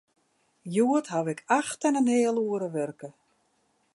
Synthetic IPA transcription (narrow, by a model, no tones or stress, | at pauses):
juətɦaʋɪkʰaxtɛnənɦɪːəlˠuəɾəʋørkə